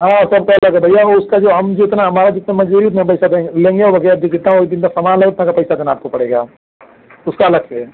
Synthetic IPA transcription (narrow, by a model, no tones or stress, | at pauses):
ɦãːsɐb̚kaɐləɡɛbʱɐjːaoʊskad͡ʒoːɦɐmd͡ʒɪɪt̪naɦɐmaːɾad͡ʒɪt̪namɐd͡ʒuːɾiʊt̪̬nãp̬ɐɪsad̪ẽlẽːŋɡeobʱɐɡɛjad͡ʒoɡɪt̪naoːid̪ɪnt̪̬asɐmaːnleʊt̪nãkapɐɪsad̪eːnaːp̚kopɐɽeːɡaː | ʊskalɐkɛː